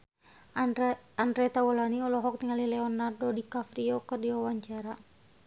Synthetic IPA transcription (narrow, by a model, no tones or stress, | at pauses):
andɾɛt̪awɔlaniɔlɔɦɔk̚t̪iŋalilɛɔnːardɔdikafɾiɔkɨrdiwawaɲt͡ʃaɾa